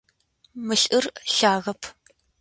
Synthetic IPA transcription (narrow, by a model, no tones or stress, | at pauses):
mɨɬʼɨrɬaːɣɐpʰ